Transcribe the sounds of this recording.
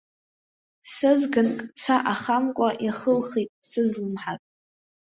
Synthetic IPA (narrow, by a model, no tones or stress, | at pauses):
sɨzɡɨnkʼt͡sʷʰaʔaχamkʷʼaʔiχəlχitʼsɨzlɨmħatʼ